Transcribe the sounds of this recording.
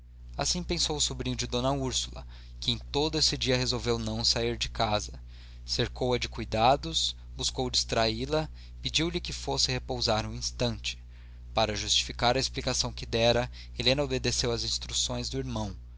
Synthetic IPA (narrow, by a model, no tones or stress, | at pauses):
asĩpẽsowʊsubɾĩɲʊd͡ʒɪd̪õnɐuɾsulɐ̰ | kɪẽj̃t̪od̪ʊesɪd͡ʒiɐɦezowvewnɐ̃w̃saiɾd͡ʒɪkazɐ | seɾkowɐd͡ʒɪkujd̪ad̪ʊs | buskowd͡ʒist̪ɾailɐ | pid͡ʒiwlɪkɪfosɪhepowzaɾũĩst̪ɐ̃nt͡ʃɪ̥ | paɾɐʒust͡ʃi̥fikaɾɐesplikasɐ̃w̃kɪd̪ɛɾɐ | elẽnɐobed̪esewɐzĩst̪ɾusõj̃zd̪ʊiɾmɐ̃w̃